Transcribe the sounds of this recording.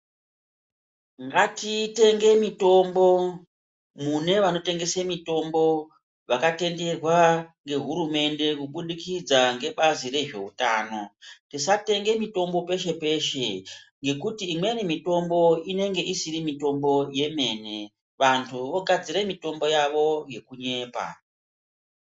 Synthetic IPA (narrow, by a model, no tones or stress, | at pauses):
ŋɡatite̞ŋɡe̞mito̞mbo̞ | mune̞ʋano̞te̞ŋɡe̞semito̞mbo̞ | ʋakate̞nde̞rwaŋɡe̞ɦuɾume̞nde̞kuɓuɗikid͡zaŋɡe̞ɓazire̞ʐe̞utaːno̞tisate̞ŋɡe̞mito̞mbo̞pe̞ʃe̞pe̞ʃe̞ | ŋɡe̞kutiːmwenimito̞mbo̞ine̞ŋɡe̞ʔisiɾimito̞mbo̞je̞me̞ːne̞ | ʋantʰuʋo̞ɡʱad͡ziɾemito̞mbo̞jaʋo̞je̞kuɲe̞ːpa̰